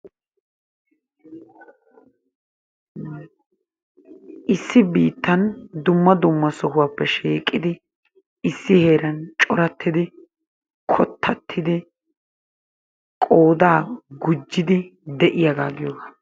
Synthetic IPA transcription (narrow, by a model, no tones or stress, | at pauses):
ʔɪsːɪbiːt̪ːɐnd̪ʊmːɐd̪ʊmːɐsɔhʊwaːpːɛʃiːkʼːɪd̪ɪ | ɪsːɪhe̞ːɾɐnt͡ʃʼɔɾɐt̪ʰːɪd̪ɪ | kʰɔt̪ʰːɐt̪ʰːɪd̪ɪ | kʼo̞ːd̪aːɡʊd͡ʒːɪd̪ɪd̪ɛʔɪjɐɡaːɡɪjoːɡa